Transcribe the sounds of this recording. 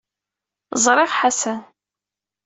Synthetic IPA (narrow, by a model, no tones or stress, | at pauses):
zˤɾˤɪʁħasæ